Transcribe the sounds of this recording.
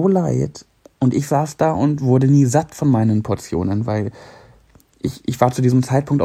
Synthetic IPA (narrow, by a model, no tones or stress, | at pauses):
oːlaɪt | ʔʊntʔɪçz̥aːsd̥aːʔʊntv̥ʊɐdəniːzatfɔnmaɪnənpʰɔɐt͡sjo̰ːnənvaɪl | ʔɪçʔɪçv̥aːɐt͡sudiːzəmt͡saɪt̚pʰʊŋktʔa